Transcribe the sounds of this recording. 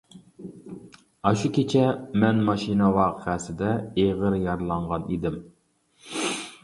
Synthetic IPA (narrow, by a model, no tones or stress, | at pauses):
ɑʃukʲʰet͡ʃʰɛmɛnmɑʃinəwɑːqʰəæsɪd̪ɛeʁəɾjɑɾlˠɑɴʁɑnid̪ɪm